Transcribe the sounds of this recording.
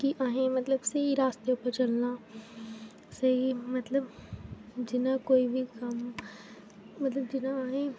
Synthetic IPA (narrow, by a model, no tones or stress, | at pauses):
kiʔaːɦẽmɐt̪ləbsɐɦiɾaːst̪eʊpəɾt͡ʃɐlna | sɐɦimɐt̪ləb | d͡ʒɪnakoːibʱikɐm | mɐt̪ləbd͡ʒɪnaaːɦẽ